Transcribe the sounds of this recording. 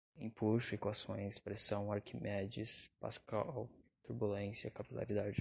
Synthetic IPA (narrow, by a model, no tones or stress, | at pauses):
ĩpulsʊekwasõj̃spɾesɐ̃w̃aɾkimɛd͡ʒispa̰skawt̪uɾbulẽsjɐkapila̰ɾid̪ad͡ʒɪ